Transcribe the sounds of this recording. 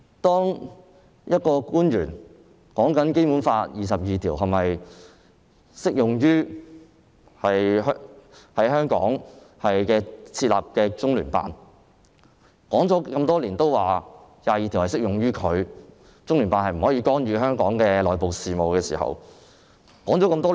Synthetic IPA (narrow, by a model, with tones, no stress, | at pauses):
t̪ɔː˥ŋ | jɐ˥t̚kɔː˧kuː˥njyː˨˩n | kɔː˨˥ŋkɐ˨˥nke˥jpuː˨˥nfaː˧t̚jiː˨˩sɐ˨p̚jiː˨t̪ʰiː˨˩wɦɐ˨mɐ˨j | sɪ˥k̚jʊ˨˩ŋjyː˥ | hɐ˨jɦhɐ˨˥jɦœː˥ŋkɔ̰ː˨˥ŋ | hɐ˨jkɛː˧t͡sʰiː˧t̚la̰ː˨p̚kɛː˧t͡sʊ˥ŋlyː˨˩npa̰ː˨˧n | kɔː˨˥ŋt͡sɔː˨˥kɐ˧mt̪ɔː˥liː˨˩nt̪o˥wwaː˨jaː˨jiː˨t̪ʰi˨˩whɐ˨˩sɪ˥k̚jʊ˨˩ŋɥyː˥kʰɵ˨˧ɥ | t͡sʊ˥ŋlyː˨˩npaː˧nhɐ˨jm̩˨˩hɔː˨˥iː˧kɔː˥nɥyː˧ɦœː˥ŋkɔː˨˥ŋkɛː˧lɔː˨˩jpo˨wsiː˨mo˨wkɛː˧sḭː˨˩hɐ̰˨˩w | kɔː˨˥ŋt͡sɔ˨˥kɐ˧mt̪ɔː˥˨